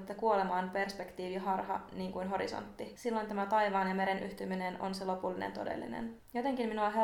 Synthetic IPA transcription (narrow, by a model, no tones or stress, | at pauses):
t̪ːɑkuo̞le̞mɑːnpe̞rspekt̪iːʋiɦɑrɦɑ̰niːŋkujnɦo̞ɾḭso̞̰nt̪ːisilːo̞jnt̪æmæt̪ɑjʋɑːnjɑme̞ɾe̞nʔyht̪ymineno̰nselo̞pulːinḛnt̪o̞̰dḛlːḭnḛnjo̞t̪e̞ŋkimminuɑɦe